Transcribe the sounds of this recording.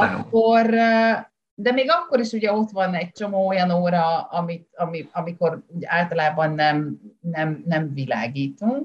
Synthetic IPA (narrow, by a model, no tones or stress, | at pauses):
ɒkːo̞r | d̪ɛmeːɡɒkːo̞ɾiʃuɟɛo̞t̪ʋɒnɛɟ̚t͡ʃo̞moːojɒnoːɾɒɒmit̪ɒmiɒmiko̞ruɟɛaːlt̪ɒlaːbɒnːɛmnɛmnɛɱvila̰ːɡiːt̪uŋk